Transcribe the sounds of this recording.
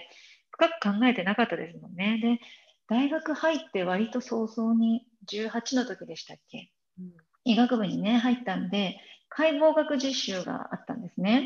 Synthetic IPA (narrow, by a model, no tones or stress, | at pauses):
ɸɯ̟̥kakɯ̟̥kãŋɡae̞t̪e̞nakat̪ːad̪e̞sɨmõ̞nːe̞d̪e̞ | d̪̥aiɡakɯ̟hait̪ːe̞β̞aɾʲit̪o̞so̞ːso̞ːɲ̟i | d͡ʑɨːhat͡ɕino̞t̪o̞kʲid̪e̞ɕi̥t̪akʰːe̞ | iɡakɯ̟bɯ̟ɲ̟ːine̞ɦait̪ːãnod̪e̞kʰaibo̞ːɡakɯ̟ʑiɕːɨːɡa̰a̰t̪ːã̰nd̪e̞sɨne̞